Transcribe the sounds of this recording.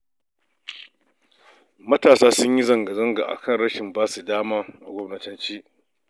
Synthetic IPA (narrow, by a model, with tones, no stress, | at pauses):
mɐ˦taː˨saː˦sʊ˦ɲji˦zɐ˨ŋɡɐ˨zɐ˦ŋɡa̰ː˨ʔa̰˨kɐ˦˨nɾɐ˦ʃɪ˨mbaː˦su˨daː˦maː˦ʔa˨ɡʷɔ˦mnɐ˦tɐ˦nt͡ʃiː˦